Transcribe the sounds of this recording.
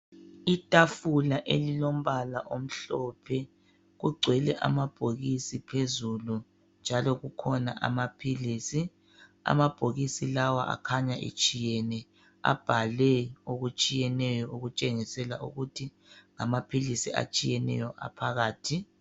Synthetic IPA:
itʼafulaʔelilom̩βalaʔom̩ɬɔpʰɛ | ɣuɡ͡ǀʱwɛlɛʔa̰mab̥ʱoɣisipʰezulu | nd͡ʒʱalɔɣukʰɔna̰ʔa̰mapʰiliːsi | a̰mab̥ʱoɣisilawa̰ʔa̰kʰaɲaʔḭt͡ʃʼijɛnɛ | a̰b̥ʱalɛoɣut͡ʃʼijɛnɛjɔuɣut͡ʃʼeŋisɛlaʔṵɣutʰi | ŋamapʰilisia̰t͡ʃʼijɛnɛ̰jɔʔa̰pʰaɣaːtʰi

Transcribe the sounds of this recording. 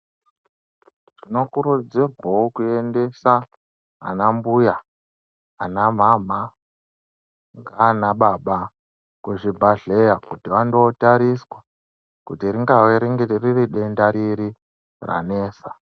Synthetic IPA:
ʐ̥ino̞kuɾud͡zirwawokuende̞sa | a̰nambujaː | nam̤am̤a | ŋɡanaɓaɓa | kuʐibʱaɮejakutiʋandoːtaɾiswa | kutiriŋɡaweɾiŋɡeririɗendaɾiɾi | ra̰ne̞ːsa

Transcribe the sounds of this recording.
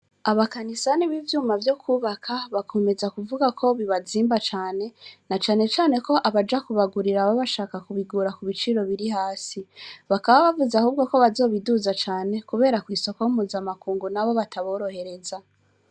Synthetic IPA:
aβakanisaniβivjuːmavjo̞kʰuːβakʰaβakʰo̞me̞zakuvuɡakʰo̞βiβaziːmbat͡ʃaːne̞nat͡ʃaːne̞t͡ʃaːne̞ko̞ʔaβad͡ʒakuβaɡuɾiɾaβaβaʃaːkakuβiɡuːɾakuβit͡ʃiɾo̞βiɾiɦaːsiβakaβaβavuzahuːb̚ɡoko̞βazo̞ːβiduzat͡ʃaːne̞kuβe̞ːɾakwiːso̞kojumuːzamakuːŋɡunaβo̞βatʰaβo̞ːɾo̞he̞ɾe̞za

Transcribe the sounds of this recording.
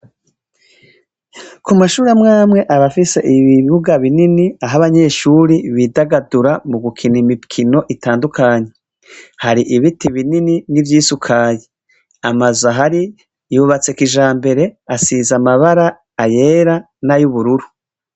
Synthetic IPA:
kumaʃuːɾemŋaːmŋe̞ʔaβafise̞ʔiβiββuɡaβininiaɦaβaɲe̞ːʃuːɾiβidaɡaduɾamuɡukʰinimipkʰino̞ʔitaːndukʰaɲe̞ | haɾiʔiβitiβinininivjiːsukʰaːje | amazaɦaɾi | juβat͡se̞kiʒaːmbe̞ɾe̞asizamaβaɾaː | je̞ːɾa | najuβuɾuɾu

